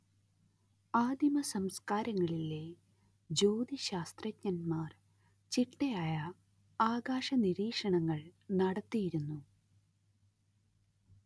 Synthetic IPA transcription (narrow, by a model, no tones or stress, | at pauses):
aːd̪jimɐsɐmskaːɾɐŋːɐɭile | d͡ʑoːd̪iɕaːst̪rɐtɲɐnmaːr | t͡ɕiʈːejaːjɐ | aːɡaːʂɐniɾiːkʂɐɳɐŋːɐɭnɐɽɐt̪ːijiɾunːu